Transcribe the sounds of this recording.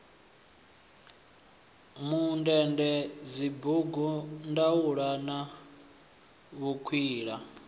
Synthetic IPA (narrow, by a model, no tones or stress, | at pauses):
mundɛndɛd͡zibuɡɔndawuɺana | βukʰwiːɺa